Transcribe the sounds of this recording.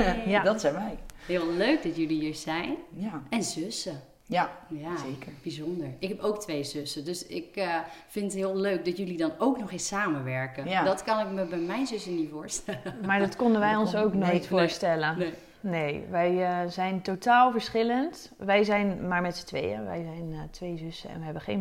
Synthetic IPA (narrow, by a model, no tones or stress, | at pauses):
jadɔtsɛmɛjɦɪəlˠløɥk̚dɔtjølihiːɹzɛjnjaɛnzøsə | jajasekəɹb̥izɔndəɹɪkɦɛpowk̚tʋejzøsədøsɪkfɪntətɦɪəlˠløɥk̚dɔtjølidɔnowknɔxɪsaːmənʋɛɹkənjadɔtkɑnɪkməbɛjmɛjnzøsənifʊːɹstɛləmaːɹdɔtkɔndənʋɛjɔnsowknotfoːɹstɛlə | neːʋɛjzɛjntotaːlˠvəɹsχɪlənt | ʋɛjzɛjnmaːɹmɛtsə̥tʋḛjə̰ʋɛ̰jzɛjntʰʋeːzøsəɛ̰nʋəɦɛbəχḛːn